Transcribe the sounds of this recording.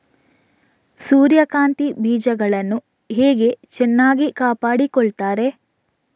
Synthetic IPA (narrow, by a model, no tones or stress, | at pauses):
suːɾjɐkaːnt̪ibʱiːd͡ʒɐɡɐɭɐnːu | ɦeːɡe̞t͡ʃɛnːaːɡikaːpaːɽikɔɭt̪aːɾe̞